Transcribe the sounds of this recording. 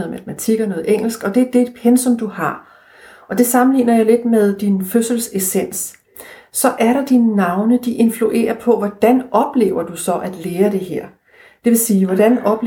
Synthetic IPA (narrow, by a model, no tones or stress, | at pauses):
ð̩ˠmætʰmæt͡sʰiɡ̥ɐnɔ̽ːð̩ˠeŋ̰l̩sɡ̥ɒ̽d̥e̝æɐd̥e̝ːd̥pʰensɔ̽md̥uhɑ̈ | ɒ̽d̥e̝sɑ̈mn̩lḭːnɐjäɪle̝d̥með̞ˠd̥inføsl̩se̝sen̰sː | ɒ̽ʔæɐɾɑ̈d̥inːɑ̈ʊnəd̥iʔe̝nfluʔe̝̰ːɐpʰɒ̽ʋɒd̥ænɒ̽b̥le̝̰ːʊɐd̥usɒ̽ʔæd̥leːɐd̥e̝ɦeɐ̰ | d̥e̝ʋe̝siːʋɒdænɒ̽b̥